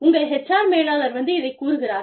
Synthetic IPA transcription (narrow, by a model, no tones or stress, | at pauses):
ʊŋɡɐɭɦɛt͡ʃːaːɾmeːlaːlɐɾʋɐnd̪ɯɪðɐɪkuːɾɯɣɪɾaːɾ